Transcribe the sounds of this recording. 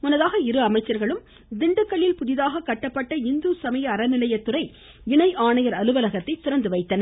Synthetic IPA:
mʊnɐðaːɣɐɪɾɯɐmɐɪt͡ʃːɐɾɣɐɭɯm | d̪ɪɳɖɯkːɐɭːɪlpʊðɪðaːɣɐkːɐʈːɐpːɐʈːɐɪnd̪usɐmɐjɐːɾɐnɪlɐjɐt̪ːɯɾɐɪ | ɪɳɐɪʔaːɳɐjɐɾɐlɯʋɐlɐɣɐt̪ːɐɪt̪ɪɾɐnd̪ɯʋɐɪt̪ːɐnɐ

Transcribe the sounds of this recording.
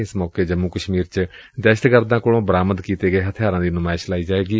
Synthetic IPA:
ɪsmɔːkeːd͡ʒəmːuːkəʃmiːɾt͡ʃ | d̪ɛːʃə̥t̪kəɾd̪ãːkoːlõːbəɾaːməd̪kiːt̪eːɡəeːɦət̪ʰɪjaːɾãːd̪iːnʊmaːɪʃlaːiːd͡ʒaːʋeːɡiː

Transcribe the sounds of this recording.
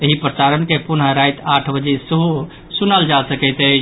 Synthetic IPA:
eɦipɾəsaɾənkepunɦəɾajt̪aʈʰbəd͡ʒesəɦu | sunəld͡ʒasəkəɪt̪ə

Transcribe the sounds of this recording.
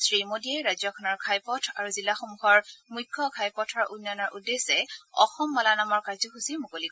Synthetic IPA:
sɹimodiɛɹajzɔkʰɔnɔɹkʰajpɔtʰaɹuzilaxomuxɔɹmujkʰːɔkʰajpɔtʰaɹunjanɔɹʔudːesɛɔ̰xɔmːalanamɔɹkajzɔxusimukolik

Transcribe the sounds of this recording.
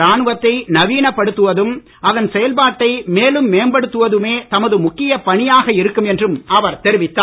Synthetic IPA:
aːnɯʋɐt̪ːɐɪnɐʋiːnɐpːɐɽɯt̪ːɯʋɐðɯm | ʔɐðɐnsɛjɐlbaːʈːɐɪmeːlɯmːeːnbɐɽɯt̪ːɯʋɐðɯmeːt̪ɐmɐðɯmʊkːɪjɐpɐɳɪjaːɣɐɪɾɯkːɯmɛndrɯmʔɐʋɐɾt̪ɛɾɪʋɪt̪ːaː

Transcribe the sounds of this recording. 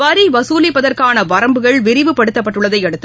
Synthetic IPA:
ʋɐɾiʋɐsuːlɪpːɐðɐrkaːnɐʋɐɾɐmbɯɣɐɭʋɪɾɪʋɯpːɐɽɯt̪ːɐpːɐʈːɯɭːɐðɐɪɛɽɯt̪ːɯ

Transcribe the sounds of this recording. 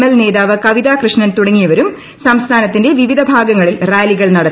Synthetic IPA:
melne̞ːðaːʋɨkɐʋid̪aːkrɨʂɳɐnt̪uɽɐŋːijɐʋɐɾum | sɐmst̪ʰaːnɐt̪ːinde̞ʋiʋid̪ʱɐbʱaːɡɐŋːɐɭilraːliɣɐɭnɐɽɐt̪ː

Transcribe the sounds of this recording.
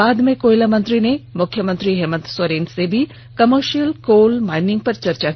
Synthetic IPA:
aːd̪mẽkoːjlamənt̪ɾinemʊkʰjəmənt̪ɾiɦɛːmənt̪swɐɾeːnsebʱi | kɐməɾʃijəlkoːlmaːɪnɪ̃ŋɡ̚pɐɾt͡ʃɐɾt͡ʃa

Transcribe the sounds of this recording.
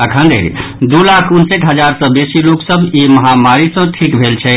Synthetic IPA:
əkʰə̃nd̪ʱḛɾd̪ulakʰunseʈɦəd͡ʒaɾsə̃besiloksəbiməɦamaɾisə̃ʈʰikbʱelt͡ʃʰɛ

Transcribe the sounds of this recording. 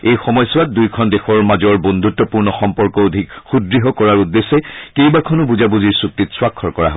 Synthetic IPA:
ejxɔmɔjsɔat̚dujkʰɔndɛxɔɹmazɔɹbɔndʱutːɔpuɹnɔxɔmpɔɹkɔodʱikxudɹiɦɔkɔɹaɹudːesːɛkejbakʰɔnɔbuzabuziɹsuk̚tːitswakʰːɔɹkɔɹa̰ɦɔ

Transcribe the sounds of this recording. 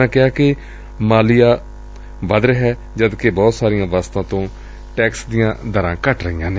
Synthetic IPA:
ãːkɪaːkɪ | maːlɪjaː | ʋəd̪ɾɦɛː | d͡ʒəd̪kebɔːt̪saːɾijãːʋaːst̪ãːt̪õː | ʈɛːksd̪ɪjãːd̪əɾã̰ːkəʈɾəɦɪjãːneː

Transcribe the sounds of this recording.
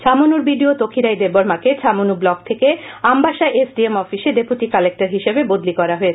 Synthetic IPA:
t͡ɕʰamunuɾbiɖiot̪okʰiɾajd̪eboɾmaket͡ɕʰamunublɔkt̪ʰekeambʱaʃaʔesɖiemɔfiʃeɖepuʈikalek̚ʈaɾɦiʃebebod̪likɔɾaɦoet͡ɕʰ

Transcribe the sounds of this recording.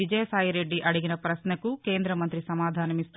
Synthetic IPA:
id͡ʒɐjɐsaːjiɾeɖːiʔɐɽiɡinɐpɾɐsnɐkukeːnd̪ɾɐmɐnt̪ɾisɐmaːd̪ʱaːnɐmist̪

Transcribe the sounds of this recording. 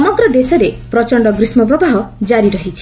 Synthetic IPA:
ɔmɔɡɾɔd̪esɔɾepɾɔt͡ʃɔɳɖɔɡɾismɔp̬ɾɔbaɦɔd͡ʒaɾiɾɔɦit͡ʃʰi̥

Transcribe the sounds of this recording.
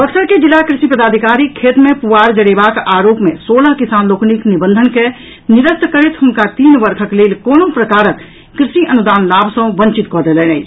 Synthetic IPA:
bəksəɾked͡ʒilːakɾɪsipəd̪aːd̪ʱikaːɾikʰeːt̪mẽpuʋaːɾd͡ʒəɽebakaːɾoːpmḛ̃soːləɦkisaːnloːkniknibənd̪ʱənke | nɪɾəst̪kəɾet̪ɦʊmkat̪iːnʋəɾkʰəkleːlkoːnõpɾəkaːɾəkː | ɾɪsiʔənud̪aːnlaːbʱsə̃bə̃ɲt͡ʃit̪kɔːd̪eːlenəi

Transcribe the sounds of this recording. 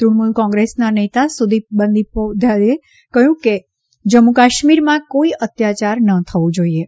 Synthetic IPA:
t̪ɾuɽmulkɔ̃ŋɡɾesnanet̪asud̪ʱibənd̪ipod̪ʱjade | kəɦjũke | d͡ʒəmukaʃmiɾmãkoiʔət̪jat͡ʃaɾnət̪ʰəʋũd͡ʒoie

